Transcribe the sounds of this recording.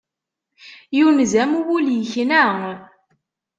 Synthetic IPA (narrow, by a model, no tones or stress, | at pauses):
junzæmuwuljəçnæŋ